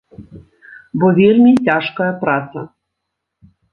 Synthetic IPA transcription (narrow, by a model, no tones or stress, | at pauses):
bɔvʲilʲmʲitʲaʂkɐjɐpɾat̪sɐ̰